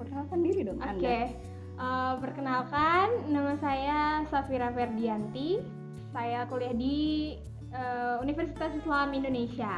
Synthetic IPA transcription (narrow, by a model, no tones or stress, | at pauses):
pərkənalkandiɾidɔŋʔonke | ʔəpərkənalkanːamasajasafiɾafɛrdiant̪i | sajakoliahdi | əːunifərsit̪asislamindonesia